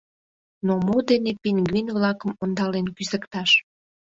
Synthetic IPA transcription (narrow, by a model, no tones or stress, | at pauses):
nomod̪enepinʲɡinβlɑkəmond̪ɑlenkyzəkt̪ɑʃ